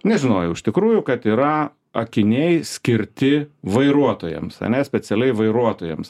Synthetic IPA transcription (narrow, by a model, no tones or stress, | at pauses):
nʲɛʒʲɪnoːjɛʊɪʃʲt̪ʲɪkɾuːjʊkɐt̪iːɾɐ | ɐkʲɪnʲɛɪsʲkʲɪɾʲt̪ʲɪʋɐɪɾuɔt̪oːjɛ̰msɐ̰nʲɛsʲpʲɛt͡s̪ʲɛlʲɛɪʋɐɪɾuɔt̪oːjɛ̰ms